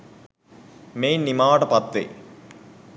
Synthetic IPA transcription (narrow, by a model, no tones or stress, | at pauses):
meːnnimaːɽɐpɐt̪ːḛ